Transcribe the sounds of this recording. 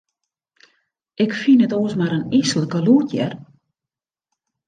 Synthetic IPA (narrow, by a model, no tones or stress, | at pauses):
ʔɪkfinətoəsmaɾənisələkəluːtʰjɛ̰r